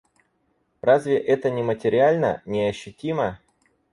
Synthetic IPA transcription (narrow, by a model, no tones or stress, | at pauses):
razʲvʲɪʔɛt̪ənʲɪmətʲɪɾʲɪalʲnə̰nʲɪɐɕːʊtʲimə